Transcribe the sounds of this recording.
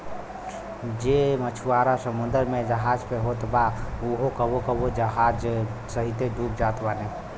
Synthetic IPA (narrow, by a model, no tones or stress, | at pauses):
d͡ʒemət͡ʃʰuaɾasəmund̪əɾmed͡ʒəɦad͡ʒpeɦot̪bauɦokəbokəbod͡ʒəɦad͡ʒsəɦit̪eɖʱup̚d͡ʒat̪bane